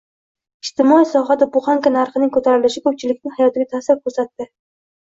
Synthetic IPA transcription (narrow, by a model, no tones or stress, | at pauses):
ɪʃt̪ʰɪmɒisɒɦad̪abʊχaŋkʲanaɾχɨnɪŋkʰɵt̪ʰaɾɪlɪʃɪkʰɵp̚t͡ʃʰɪlɪkʲnɪhajɒt̪ɪɡʲat̪ʰasɪɾkʰɵɾsat̪ːɪ